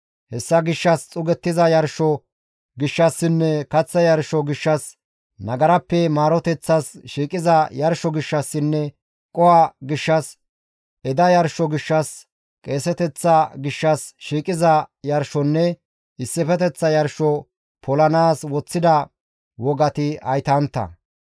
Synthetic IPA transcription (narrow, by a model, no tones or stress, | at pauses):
hɛsːɐɡɪʃːɐst͡sʼʊɡɛt̪ːɪzɐjɐɾʃɔ | ɡɪʃːɐsːɪnːɛkɐt͡sːɐjɐɾʃɔɡɪʃːɐs | nɐɡɐɾɐpːɛmaːɾɔt̪ɛt͡sːɐsʃiːkʼɪzɐjɐɾʃɔɡɪʃːɐsːɪnːɛ | kʼɔwɐɡɪʃːɐs | ɛd̪ɐjɐɾʃɔɡɪʃːɐs | kʼe̞ːsɛt̪ɛt͡sːɐɡɪʃːɐsʃiːkʼɪzɐjɐɾʃɔnːɛ | ɪsːɪfɛt̪ɛt͡sːɐjɐɾʃɔ | pʰɔlɐnaːswɔt͡sːɪd̪ɐ | wɔɡɐt̪ɪɐjt̪ɐnt̪ːɐ̰